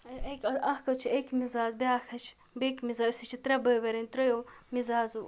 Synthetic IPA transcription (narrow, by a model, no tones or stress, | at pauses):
ɐekʲɐlɐhkɐt͡ʃʰiekmizaːzbeaːxʰɐt͡ʃʰ | bekmizaːsit͡ʃʰit̪ɾɐbəbɐɾɐnt̪ɾojomizaːzu